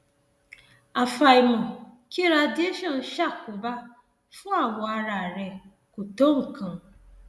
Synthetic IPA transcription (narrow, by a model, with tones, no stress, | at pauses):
a˨fa˨i˨mɔ˨ | ki˦ɾa˦˧di˦e˦ʃɔ˦˨n̩˨ʃa˦˨kʊ˨ba˦ | fʊ˦a˦˨wɔ˨a˦ɾa˨ɾɛ˨ | kʊ˨to˦ŋ̩˨kã˨